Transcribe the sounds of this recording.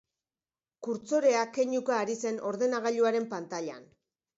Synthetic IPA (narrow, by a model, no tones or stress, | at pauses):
kuɾt͡so̞ɾe̞ake̞ɲukaːɾise̞no̞ɾðe̞naɣ̞aʎuaɾe̞mpant̪aʎa̰n